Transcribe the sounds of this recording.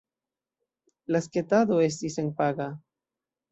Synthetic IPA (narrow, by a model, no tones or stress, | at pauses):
lasket̪aðoesd̪iseŋpaɣa